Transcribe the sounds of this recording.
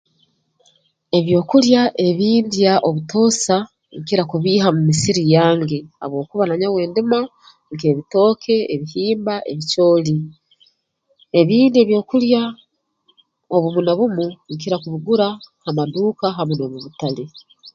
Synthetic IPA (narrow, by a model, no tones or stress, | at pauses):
e̞βjo̞ːkuljaʔe̞βiːndjaʔo̞βuto̞ːsa | ŋkiɾakuβiːhamumisiɾijaːŋɡea̰βwo̞ːkuβanaɲawe̞ːndima | ŋke̞ːβito̞ːkʰe̞eβihiːmbaʔe̞̰βico̞ːli | e̞βiːndie̞βjo̞ːkulja | oβumunaβumuŋkiɾakuβiɡuɾahamaduːkaɦamunoβuβutale